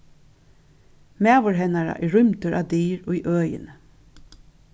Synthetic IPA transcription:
meːʋʊɹɦɛnɑɹɑ̰ʔiːɹʏmt̪əɹʔɑ̰ːd̪iːɹoːiːʔœːjə̰n

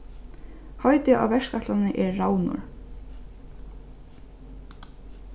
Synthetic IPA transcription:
hɔɥt̪ɪʔa̰wvɛʂkat̪lanɪʔɛɾːawnʊ̰ɹ

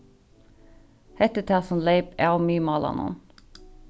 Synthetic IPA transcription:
hɛt̪ət̪ʰæsɔnleɪpæːmyːmɑːlʔɑ̰nɔ̰n

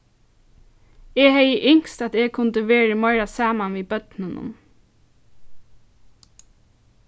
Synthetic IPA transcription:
ɛːhɛjəʔɪŋ̥st̪at̪eːkʰʊnt̪əʋeːɹəmɔɪɹasaːmanʋiːbœt̪nɪnʊ̰m

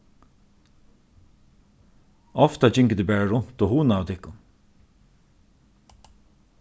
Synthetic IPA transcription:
ɔft̪ad͡ʒɪŋkəd̪ɪbɛːɹaɹʊn̥t̪ɔhuːnaːʊt̪ʰɪhkːʊn

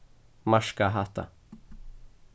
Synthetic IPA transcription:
maʂkaɦat̪a̰

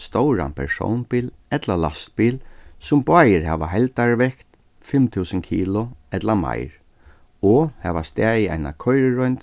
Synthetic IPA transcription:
st̪ɔwɹa̰npʰɛɹsɔ̰wnpiːlɛt̪lalast̪̚piːlsʊmbʊaːjəɾhɛːʋaɦɛlt̪aɹʋɛkt̪ | fɪmt̪ʰuːsənkʰiːlʊɛt̪lama̰jɹ | ɔhɛʋast̪ɛːjɪa̰jna̰kʰɔjɾɪɹɔjnt̪

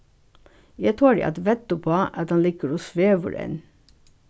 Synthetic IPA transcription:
jæt̪ʰoːɾɛ̰ʔɑ̰t̪ʋɛt̪ʊpʰoːʔɑt̪ɑnliːkəɾoːsʋeːʋə̰ɾɛ̰n

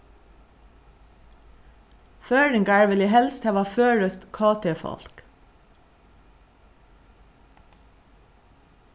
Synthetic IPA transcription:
føːɹəŋɡæɹʋəliːhɛlst̪hɛːʋɑføːɹəst̪kʰɑːt̪ʰeːfɔ̰lk

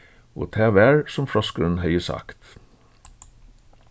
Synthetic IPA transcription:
o̰ːt̪ʰæːʋæːɹsɔmfɽɔskən̩hœʏəsɑ̰ːkt̪

